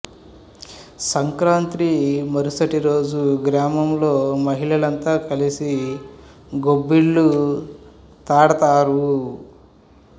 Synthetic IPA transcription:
sɐŋkɾaːnt̪ɾimɐɾusɐʈiɾo̞ːd͡ʒuɡɾaːmɐmlo̞ːmɐɦiɭɐlɐnt̪aːkɐlisi | ɡobːiɭːu | t̪aːɽɐt̪aːɾu

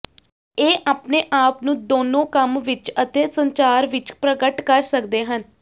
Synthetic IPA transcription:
eːʔaːpneːʔaːpnũːd̪oːnõːkəmʋɪt͡ʃət̪eːsəɲt͡ʃaːɾʋɪt͡ʃpɾəɡəʈkəɾsəkd̪eːɦən

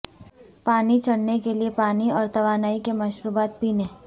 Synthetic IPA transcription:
paːnit͡ʃɐɽnekeliepaːniɔːɾt̪ɐʋaːnaːikemɐʃɾuːbaːt̪̚piːneː

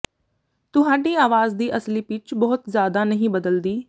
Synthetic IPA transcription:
t̪ʊɦaːɖiːaːʋaːzd̪iːʔəsliːpɪt͡ʃbɔɦʊt̪zjaːd̪aːnəɦĩːbəd̪əld̪iː

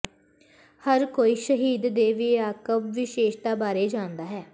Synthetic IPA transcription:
həɾkoːiːʃəɦiːd̪d̪eːʋiaːkəbʋɪʃeːʃd̪aːbaːɾeːd͡ʒãːnd̪aːɦɛː

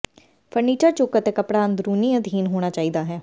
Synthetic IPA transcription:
pʰəɾniːt͡ʃəɾt͡ʃʊkət̪eːkəpɽaːənd̪ɾuːniːəd̪ʱiːnɦoːɽ̃aːt͡ʃaːiːd̪aːɦɛː

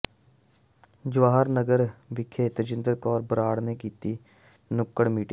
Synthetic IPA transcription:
d͡ʒʊʋaːɦəɾnəɡəɾʋɪkʰːeːt̪əd͡ʒɪnd̪əɾkɔːɾbəɾaːɽneːkiːt̪iː | nʊkːəɽmiːʈiː

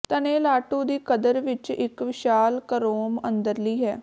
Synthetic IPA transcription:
t̪əneːlaːʈũːd̪iːkəd̪əɾʋɪt͡ʃɪkʋɪʃaːlkəɾoːmənd̪əɾliːɦɛː

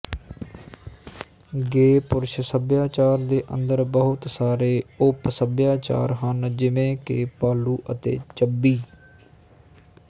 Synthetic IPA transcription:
ɡeːpʊɾʃsəbjaːt͡ʃaːɾd̪eːʔə̰nd̪əɾbəɦʊt̪saːɾeːʊpsəbjaːt͡ʃa̰ːɾɦənd͡ʒɪʋẽːkḛpaːluːʔət̪ḛːt͡ʃəbːiː

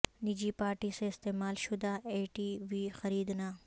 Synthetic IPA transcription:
nid͡ʒiːpaːɾʈiseːɪst̪eːmaːlʃʊd̪aeːʈiːʋiːxɐɾiːd̪na

